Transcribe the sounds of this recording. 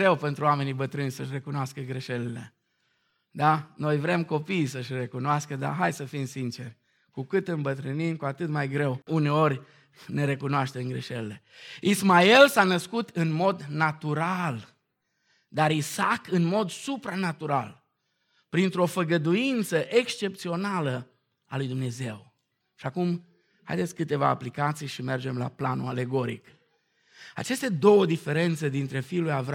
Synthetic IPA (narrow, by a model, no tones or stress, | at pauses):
ɾe̞wpe̞nt̪ɾuame̞nijbət̪ɾɨnʲsəʃ̬re̞kunoaskəɡɾeʃe̞lile̞̰ | d̪ano̞jvɾe̞mko̞pijsəʃre̞kunoaskəd̪a̰ɦajsəfimsint͡ʃe̞rʲ | kukɨt̪ɨnbət̪ɾɨnimkuat̪ɨt̪majɡɾe̞wune̞o̞rʲ | ne̞ɾe̞kunoaʃt̪e̞mɡɾeʃelele̞ | ismaelsanəskut̪ɨnmo̞d̪nat̪uɾal | d̪aɾisakɨnmo̞d̪supɾanat̪uɾa̰l | pɾint̪ɾo̞fəɡəd̪uint̪səʔe̞kst͡ʃe̞p̚t̪sio̞nalə | alujd̪umne̞ze̞w | ʃiakum | ha̰jd̪et̪sʲkɨt̪e̞va̰ːplikat̪sijʃime̞rd͡ʒe̞mla̰planṵale̞ɡo̞ɾḭk | a̰t͡ʃest̪e̞d̪o̞wəd̪ife̞ɾe̞nt̪se̞d̪int̪ɾe̞fiːlujav